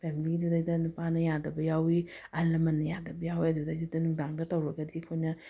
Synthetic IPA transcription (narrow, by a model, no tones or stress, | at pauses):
pʰemiliɡidudajdɐnupanɐjadɐbɐjawiɐlɐmɐnːɐjadɐbɐjawiɐdudajdɐdɐnuŋdaŋdɐtɐwɾɐɡɐdikʰojnɐ